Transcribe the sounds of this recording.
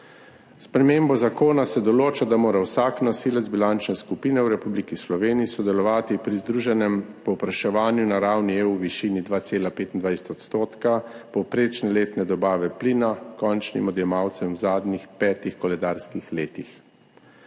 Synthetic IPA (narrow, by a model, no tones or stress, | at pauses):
spɾɛmembɔzakoːnasɛd̪ɔloːt͡ʃad̪amoːɾawsaknasiːlɛd̪zbilant͡ʃnɛskupiːnɛwɾɛpublikislɔʋeːniisɔd̪ɛlɔʋaːt̪ipɾizd̪ɾuʒɛnɛmpɔpɾaʃɛʋaːnjunaɾawnieuwʋiʃiːnid̪ʋaːt̪seːlapeːt̪ind̪ʋajsɛ̥t̪ɔt̪st̪oːt̪kapɔpɾeːt͡ʃnɛleːt̪nɛd̪ɔbaːʋɛpliːnakɔnt͡ʃnḭmɔd̪jɛmawt̪sɛmwzaːd̪nixpɛːt̪ixkɔlɛd̪aɾskixleːt̪ix